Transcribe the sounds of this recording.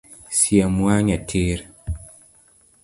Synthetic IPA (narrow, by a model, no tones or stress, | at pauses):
siamuaɲatʰeɾ